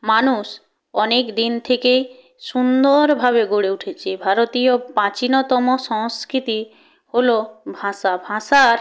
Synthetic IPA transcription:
manuʃ | ɔnekd̪int̪ʰekej | ʃund̪oɾbʱaβeɡoɽeuʈʰet͡ɕʰebʱaɾot̪ijopãt͡ɕinɔt̪ɔmoʃɔŋskɾit̪i | holobʱaʃabʱaʃaɾ

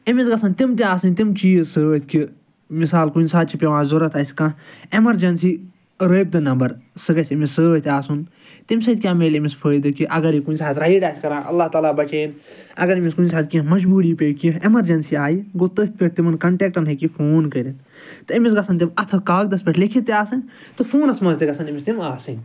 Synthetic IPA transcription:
emisɡɐsɐnt̪imt̪iaːsɐnʲt̪imt͡ʃiːsəːt̪ʰki | misaːlkunsaːt̪̚t͡ʃʰipʲeʋãːzuɾɐt̪ʰasʲkãːemɐɾd͡ʒɐnsiː | ɾəːp̚d̪ɐnɐmbɐɾsɨɡɐsʲimisəːt̪ʲaːsun | t̪imsɐt̪̚ʲkʲaːmeːlemispʰəːjd̪ɨkiʔɐɡɐɾikunʲsaːt̪ɾɐɦiɖaːsʲkɐɾãːʔɐ̰lːaːht̪aːlaːbɐt͡ʃeːn | ɐ̰ɡɐɾimiskunʲsaːd̪̚kʲĩmɐd͡ʒbuːɾiːpʲekiemɐɾd͡ʒɐnsiaːjiɡoːt̪ət̪̚ʰpʲeʈ̚t̪imɐnkɐɳʈeːk̚ʈɐnɦekifʰoːnkəɾit̪ | t̪ɨimis̬ɡɐsɐnt̪̬imɐt̪ʰɨkaːk̚d̪ɐspʲeʈʰlikʰit̪ːiaːsɨnʲ | t̪ɨfʰoːnɐsmɐnzt̪iɡɐsɐnimist̪imaːsɨnʲ

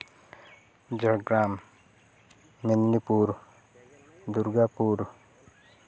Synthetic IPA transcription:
d͡ʒəɡɾaːm | minːipuːɾ | d̪uɾɡapuːɾ

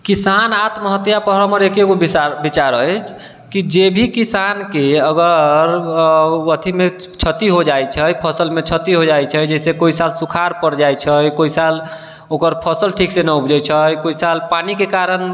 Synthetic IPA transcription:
kisanat̪məɦət̪japəɦɾəməɾekeɡobiabit͡ʃaɾəjt͡ʃʰ | kid͡ʒebʱikisankeəɡəɾ | ət̪ʰimet͡ʃʰət̪iɦod͡ʒajt͡ʃʰəjpʰəsəlmet͡ʃʰət̪iɦod͡ʒajt͡ʃʰəjd͡ʒɛsekoisalsukʰaɾpəɾd͡ʒajt͡ʃʰəjkoisal | okəɾpʰəsəlʈʰiksenəupd͡ʒəjt͡ʃʰəjkoisalpanikekaɾən

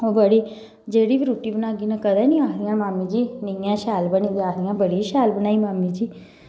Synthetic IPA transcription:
oːbəɽiː | d͡ʒeːɽiːbiːɾuːʈiːbənaːɡiːnãːkəd̪ɛːnĩːaːkʰd̪ɪjãːmaːmiːd͡ʒiːnijãːʃaːlbəniːd̪aːkʰd̪ɪjãːbəɽiːʃɛːlbənaːiːmaːmiːd͡ʒiː

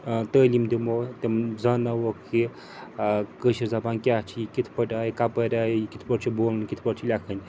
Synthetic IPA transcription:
t̪əːlimd̪imot̪ʲemzɐnawokʰi | kəʃiɾzapankʲat͡ʃʰikit̪ʰpəʈajkapəɾʲajkit̪ʰpəɾt͡ʃʰiboːlnkit̪ʰpəɾt͡ʃʰilʲakʰənʲ

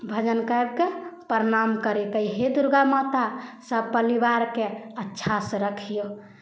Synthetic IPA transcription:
bʱəd͡ʒənkaebkepəɾnamkəɾit̪əjɦed̪uɾɡamɔt̪asəbpəlibaɾkeətːʃʰasəɾəkʰijo

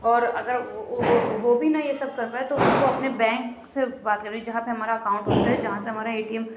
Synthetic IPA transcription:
ɔːɾɐɡəɾ | ʋobʱinɐjesɐb̚kɐɾːaɦɛt̪oʊnkoɐpnebɛ̃ːŋksebaːt̪̚kɐɾed͡ʒid͡ʒɐɦãpeɦɐmaːɾaɐkaːʊ̃ɳʈɦoːt̪aɦɛd͡ʒɐɦãseɦɐmaːɾaeːʈiəm

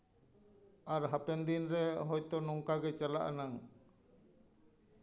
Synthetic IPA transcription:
ʔaɾɦapɛnd̪inɾɛɦɔjt̪ɔnɔŋkaɡɛt͡ʃalaʔa̰naŋ

